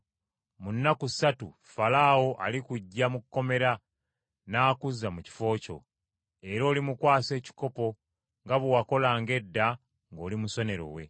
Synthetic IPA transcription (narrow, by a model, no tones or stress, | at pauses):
munːakusatu | falawo̞ʔa̰likuɟːamukːo̞me̞ɾa | naːkuzːamuci̥fo̞ːco̞̰ | e̞ɾo̞ːlimukwaːse̞ːci̥ko̞po̞ | ŋɡaβuwako̞laːŋɡe̞dːa | ŋɡo̞ːlimuso̞ne̞ɾo̞̰we̞̰